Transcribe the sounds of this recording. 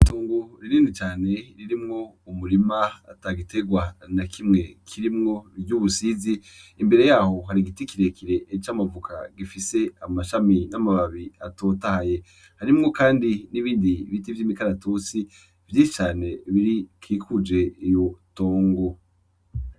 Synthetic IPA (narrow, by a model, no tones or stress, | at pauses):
toːŋɡoɾiɾiːndit͡ʃaːne̞ɾiɾimŋo̞ | umuɾimaa̰taɡite̞ɡwanakʰimŋe̞kʰiɾimŋo̞ɾɟuːβusiziː | mbe̞ɾe̞jaːho̞ɦaɾiɡitikiɾe̞kiɾe̞ʔːt͡ʃaːmavukʰa̰ɡifise̞amaʃaminamaβaβiatoːtahaje̞ | haɾimŋo̞kaːndiniβiːndiβitivjiːmikaɾatosi | vjit͡ʃaːne̞βiɾikʰiːkʰud͡ʒe̞ijo̞toːŋɡo